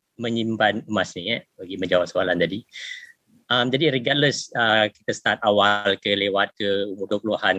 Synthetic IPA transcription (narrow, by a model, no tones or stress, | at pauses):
mə̃ɲimbanəmasniɛbəɡimə̃ɲd͡ʒawaʔsoalant̪adi | ʔamd͡ʒadiɾiɡat̪̚ləsəki̥t̪əst̪at̪̚awalkəlewat̪̚kəumudʊpluahan